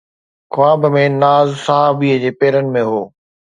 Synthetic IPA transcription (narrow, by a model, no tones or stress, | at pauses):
kʊaːbmẽnaːzsaɦaːbiːəd͡ʑeːpeːɾənɪ̆mẽɦoː